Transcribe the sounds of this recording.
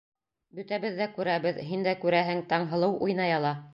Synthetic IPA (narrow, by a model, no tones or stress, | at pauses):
bɵ̆t̪æβɘðːækʉɾæβɘðɦind̪ækʉɾæɦɘŋt̪ɑɴɦɤ̆lˠɤwʔujnɑjɑlˠɑ